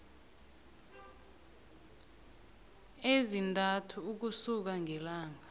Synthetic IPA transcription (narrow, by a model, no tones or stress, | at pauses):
ezintʼatʰuːk̬usuk̬aŋʱɛlaːŋa